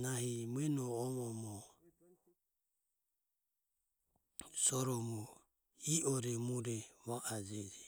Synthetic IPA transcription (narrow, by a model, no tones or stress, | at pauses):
naɦimɛnɔːmɔmɔ | sɔɾɔmɔ | iʔɔɾɛmuɾɛβaʔad͡ʒɛd͡ʒɛ